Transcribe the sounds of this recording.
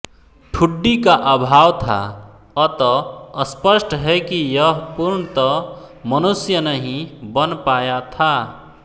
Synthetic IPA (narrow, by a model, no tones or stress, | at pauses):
ʈʰuɖːikaʔəbʱawt̪ʰa̰ | ət̪ɔəspəsʈɦɛkijəɦpuɾɳət̪ɔmənusjənəɦĩbənpajat̪ʰa